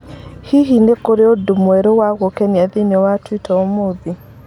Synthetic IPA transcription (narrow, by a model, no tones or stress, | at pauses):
hiɦinekoɾeodomwɛɾowaɣokɛniaðinɔwatwitɔɔmoði